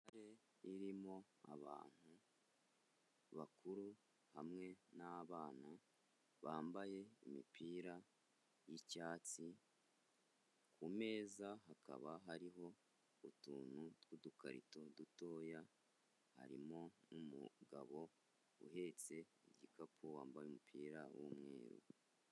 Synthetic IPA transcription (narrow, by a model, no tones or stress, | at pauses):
aɾe | iɾimo̞ | a̰βa̰ːn̥hu | βakʰuɾu | hamŋe̞naβaːna | βaːmbaje̞imipiːɾa | jicaːt͡si | kʰume̞ːzaɦaka̰βaɦaɾiɦo̞ | utuːnutɡ̥uduka̰ɾḭto̞duto̞ːja | ha̰ɾḭmo̞numṵɡa̰βo̞ | ṵɦe̞t͡se̞ɟikapʰuwaːmbajumupʰiːɾawṵmŋḛːɾṵ